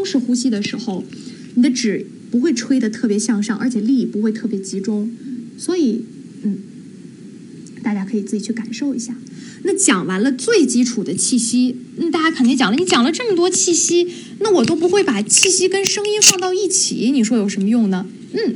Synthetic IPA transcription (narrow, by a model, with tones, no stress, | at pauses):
t̪ŋʂɻ̩˥˧xu˥ɕi˥d̪ə˨ʂɻ̩˧˥xo˥˧ʊ | ni˨˩d̪ə˦ʈ͡ʂɻ̩˨˩ | pu˧˥xwe˥˧ɪʈ͡ʂʰwe˥ɪd̪ə˨t̪ʰɤ˥˩pjɛ˧˥ɕjɑ˥˧ŋʂɑ˥˩ŋʔə̰˞˧˥t͡ɕʰɛ˨˩li˥˩i˨˩pu˧˥xwe˧ɪt̪ʰɤ˥˩pjɛ˧˥t͡ɕi˧˥ʈ͡ʂʊ˥ŋswɔ˧˥i˨˩˦ | n̩˥˩ | t̪a˥˩t͡ɕja˥kʰɤ˧˥i˨˩t͡sɹ̩˥˩i˨˩t͡ɕʰy˥˩ka˨˩nʂo˥˩ʊi˧˥ɕja˥˩ | na˥˩t͡ɕjɑ˨˩ŋwa˧˥nlə˧t͡swe˥˩ɪt͡ɕi˥ʈ͡ʂʰu˨˩d̪ə˦t͡ɕʰi˥˩ɕi˥na˥˩t̪a˥˩t͡ɕja˥kʰə˨˩ni˥ŋt͡ɕjɑ˨˩ŋlə˦ni˧˥t͡ɕjɑ˨˩lə˦ʈ͡ʂɤ˥˩mə˩t̪wɔ˥t͡ɕʰi˥˩ɕi˥ | na˥˩wɔ˨˩t̪o˥ʊp̬u˧˥xwe˥˩ɪpa˨˩t͡ɕʰi˥˩ɕi˥kə˥nʂɤ˥ŋi˥fɑ˥˧ŋt̪ɑ˥˧ʊi˥˩t͡ɕʰḭ˨˩˦ni˨˩ʂwɔ˥jo˨˩ʊʂə˧˥mə˧jʊ˥˩ŋnə˩ | n̩˥˩